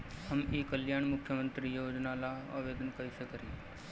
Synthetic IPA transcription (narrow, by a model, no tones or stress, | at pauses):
həmiːkəljaːɳmʊkʰjəmə̃nt̪ɾijoːd͡ʒnalaə̰ːʋeːd̪ənkəjsekəɾĩː